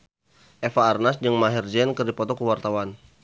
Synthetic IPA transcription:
ʔɛfaːrnasd͡ʒəŋmaɦɛrd͡ʒɛnkərdipɔt̪ɔkəwart̪awan

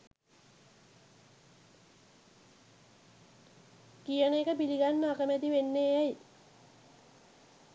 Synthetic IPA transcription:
kijəɳeːkəpiliɡanːəakəmæt̪iʋenːejaj

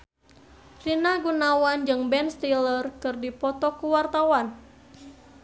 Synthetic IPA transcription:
rinaɡunawand͡ʒɨŋbɛnst̪ilərkɨrdipɔt̪ɔkuwart̪awan

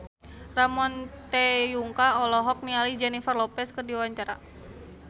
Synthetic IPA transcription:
ramɔnt̪ɛjuŋkaɔlɔɦɔk̚nialid͡ʒɛnifarlɔpɛskɨrdiawaɲt͡ʃaɾa̰

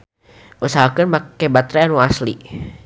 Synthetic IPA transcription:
ʔusaɦakənbakɛbat̪ɾɛanuasli

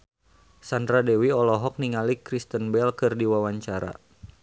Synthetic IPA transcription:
sandɾadɛwiɔlɔɦɔk̚niŋalikɾist̪ənbɛlkɨrdiwawaɲt͡ʃaɾa̰

